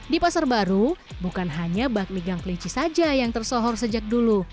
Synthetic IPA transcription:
dipasarbaɾu | bukanɦaɲabak̚miɡaŋkəliɲt͡ʃisad͡ʒajaŋt̪ərsɔɦɔrsəd͡ʒak̚dulu

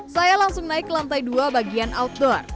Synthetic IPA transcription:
sajalaŋsʊŋnaɪklant̪ajduabaɡianaut̪̚dɔr

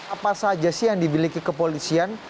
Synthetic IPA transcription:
apasad͡ʒasɪhjaŋdibilikikəpolisian

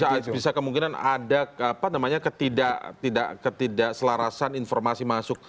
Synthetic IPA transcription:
abisakəmuŋkinana̰dakapanamaɲakət̪idaʔt̪ida̰ʔkət̪idaʔsəlaɾasaninformasimasʊk̚

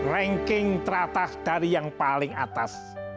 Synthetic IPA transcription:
rɛŋkɪŋt̪ɾat̪ahd̪̥a̤ɾijaŋpalɪŋat̪as

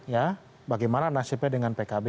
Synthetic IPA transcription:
ja | baɡajmananasipɛdəŋanpekabe

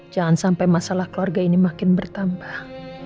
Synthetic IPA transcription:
d͡ʒaŋansampajmasalahkəluarɡainimakɪnbərt̪ambah

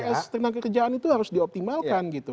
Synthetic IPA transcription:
ɛst̪ərnakːəkərd͡ʒaanit̪uhaɾʊsdiɔp̚t̪imalkanɡit̪u

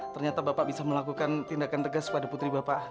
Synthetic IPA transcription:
t̪ərɲat̪abapaʔbisaməlakukant̪indakant̪əɡaskəpadaput̪ɾibapaʔ

